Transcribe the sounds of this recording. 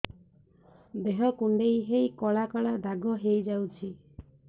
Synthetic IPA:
d̪eɦɔkuɳɖejɦejkɔɭakɔɭad̪ʱaɡɔɦejd͡ʒawt͡ʃʰi

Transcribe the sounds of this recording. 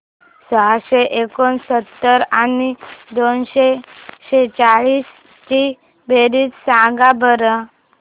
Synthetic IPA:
sɔɦaɕeʔekonsət̪ːəɾanid̪onɕeɕet͡saɭiːs | t͡ɕi | beɾiːt͡ssãɡabʱəɾə

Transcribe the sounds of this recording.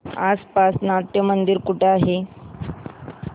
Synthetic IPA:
aspasnat̪jəmənd̪iɾkuʈaɦe

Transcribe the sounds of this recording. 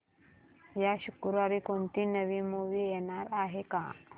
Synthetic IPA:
jaɕukɾʋaɾikoɳt̪iːnəʋimuʋijeɽ̃aɾaɦeka̰

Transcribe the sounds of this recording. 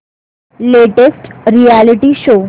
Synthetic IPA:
leʈesʈɾialiʈiʃo

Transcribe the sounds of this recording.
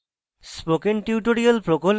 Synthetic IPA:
spokenʈiuʈoɾialpɾokol

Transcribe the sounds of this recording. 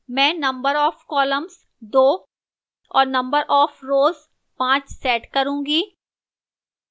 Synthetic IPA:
mɛ̃ːnɐ̃mbəɾɔːfkɔːləmz | d̪oː | ɔ̰ːɾnɐ̃mbəɾʔɔːfɾoːz | pãːt͡ʃsɛːʈkɐɾũːɡiː

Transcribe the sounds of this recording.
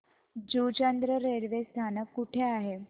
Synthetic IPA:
d͡ʑut͡ɕənd̪ɾəɾeɽʋest̪ʰanəkːuʈʰeaɦe

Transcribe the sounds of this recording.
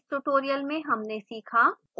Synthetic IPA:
ʈuʈoːɾijəlmẽɦɐmnesiːkʰa

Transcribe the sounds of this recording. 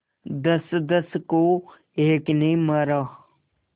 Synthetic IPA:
d̪ɐsd̪əsko | eːknəĩmɐɾaː

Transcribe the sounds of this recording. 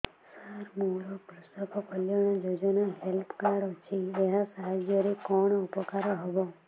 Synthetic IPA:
saɾmuɾɔbɾust̪ɔkɔkɔljɔɽ̃ɔd͡ʒod͡ʒɔnaɦelpkaɽɔt͡ʃʰieɦãsaɦad͡ʒjɔɾekɔɽ̃ɔupɔkaɾɔɦɔbɔ

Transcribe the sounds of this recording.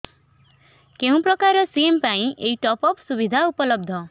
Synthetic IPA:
keɦũpɾɔkaɾɔsiempaĩʔeiʈɔpɔpsubid̪ʱaupɔlɔb̚d̪ʱɔ

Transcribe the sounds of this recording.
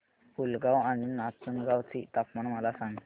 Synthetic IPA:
fulɡawaninat͡sənɡaʋt͡sit̪apmaɳməlasãŋɡ̪

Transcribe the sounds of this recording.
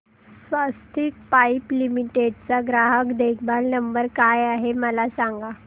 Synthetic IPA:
sʋast̪ʰiːk̚paiplimiʈeɖt͡saɡɾaɦəkd̪ekʰbalnəmbəɾkajaɦeməlasaŋɡa

